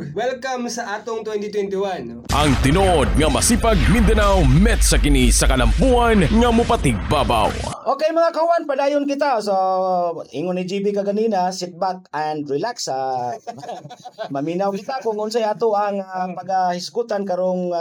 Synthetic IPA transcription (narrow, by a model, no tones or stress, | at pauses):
wɛlkamsɐʔat̪ʊŋt̪wɛnt̪ɪt̪wɛnt̪iwan | ʔɐ̰ŋt̪ɪnood̪̚ŋɐmɐsipaɡ̚mɪnd̪anawmɛt̪sakɪnisɐkalampuanŋamʊpat̪ɪɡ̚baba̰wʔokejmɐŋakahʊwanpadaːjʊnkɪt̪asoʔḭːŋʊnid͡ʒibikaɡaninasɪt̪̚bak̚andɾɪlaksa | mɐminawkɪt̪akʊŋʊns̬ajaːt̪oʔaŋpaɡahɪskut̪ankaɾoŋ